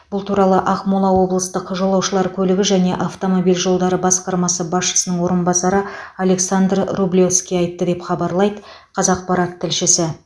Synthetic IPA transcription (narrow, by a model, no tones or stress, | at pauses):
b̥ʊlˠt̪ʰuɾɑlˠəʔɑqmolˠɑwo̞blˠəst̪əqʒo̞lˠɑwʃəlˠɑɾkʲʰɵlɪɡʲɪʒæne̞ʔɑft̪o̞mo̞bijlʒo̞lˠd̪ɑɾəbɑsqɑɾmɑsəbɑsʃə̥sənəɴwo̞ɾənbɑsɑɾəale̞ksand̪rrublʲo̞fskʲijɑjt̪ːəd̪e̞pχɑbɑɾlˠɑjd̪ə | qʰɑzɑq̚pɑɾɑt̪ʰːɪlʃɪsɪ